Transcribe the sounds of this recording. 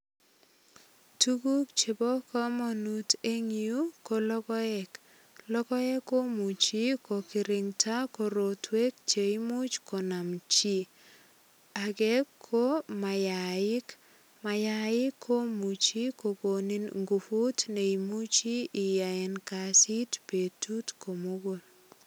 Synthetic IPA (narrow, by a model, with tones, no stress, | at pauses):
tu˦ɡu˦kt͡ʃe˨bɔ˦kɔ˦mo˨nu˦te˦ŋiu˦ko˨lɔ˦ɡɔ˦ɛ˦k | lɔ˦ɡɔ˦ɛ˦ko˦mu˨t͡ʃi˦ko˨kɪ˨ɾɪ˨ŋtʰa˦ko˨ɾo˨twe˦k̚t͡ʃe˨i˦mu˦t͡ʃko˨na˨mt͡ʃi˦ | a˨ɡɛ˦kʰːo˦ma˨ja˨ɪ˦k | ma˨ja˨ɪ˦kʰːo˦mu˨t͡ʃi˦ko˨ɡo˨ni˦nŋɡu˨fu˦tne˨i˨mu˦t͡ʃiː˦˨ja˨ɛ˨nka˨si˦tpe˨tu˦tko˨mo˦ɡo˨l